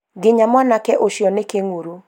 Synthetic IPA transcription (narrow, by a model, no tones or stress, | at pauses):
ɡɪɲamanakɛʔoʃjɔnɪkeŋuɾu